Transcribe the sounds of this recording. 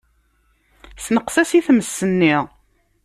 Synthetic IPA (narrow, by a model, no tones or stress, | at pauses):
snəqsæsiθməsːənːiʁ